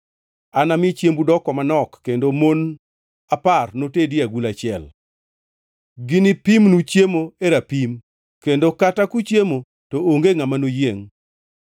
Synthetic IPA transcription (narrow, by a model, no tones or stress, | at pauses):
anamɪt͡ʃjembudɔkɔmanɔkːendomon | aparnotedɪaɡulat͡ʃɪɛ̰l | ɡɪnɪpimnut͡ʃjemoeɾapim | kendokatakut͡ʃjemo | tooŋɡeŋamanojeŋ